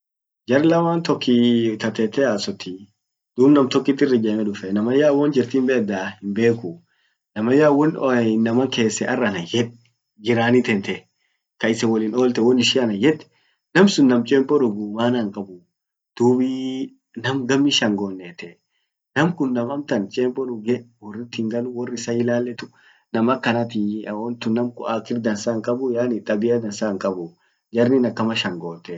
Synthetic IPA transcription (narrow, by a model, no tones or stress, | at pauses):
d͡ʒɐɾlɐmaːnt̪ɔkʰːit̪ɐt̪ɛt̪ːɛaːsɔt̪ːi | d̪̥uːbnɐmt̪ɔkːɪt̪ːɪrːɪd͡ʒɐmɛᶑʊfɛnɐmɐjaːwɔnd͡ʒɪɾt̪iːmbɛd̪aːhɪmbe̞ːkʊ | nɐmɐjaːwɔnɔnːɐmɐkeːsːɛʔɐrːɐnɐjɛᶑ | d͡ʒɪɾaːnit̪ɛnt̪ɛ | kɐɪsɛwɔliːno̞ːlt̪ɛwɔnɪʃɪɐnɐjɛᶑ̪ɛ̥ | nɐmsʊnːɐmt͡ʃʼeːmpʼɔɾʊɡuːmaːnɐŋkʼɐbʊ | d̪̥uːbi | nɐmɡɐmːiʃɐŋɡoːnːeːt̪ɛ | nɐmkʊnːɐmɐmt̪ɐnt͡ʃʼeːmpʼɔɾʊɡɛwɔrːɪt̪ːɪŋɡɐlʊwɔrːɪɪsɐɪlaːlːɛt̪ʊ | nɐmɐkːɐnɐt̪iwɔnt̪ʊnːɐmkʊʔaːkɪɾd̪ɐnsaŋkʼɐbʊjaːnɪt̪ʼɐbɪjɐd̪ɐnsaŋkʼɐbʊ | d͡ʒɐɾnɪnɐkːɐmɐʃɐŋɡoːt̪ːɛ